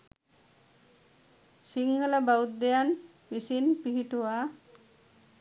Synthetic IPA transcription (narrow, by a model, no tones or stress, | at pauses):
siŋɡələbaut̪̚d̪ejan | ʋisinpiɦiʈuʋa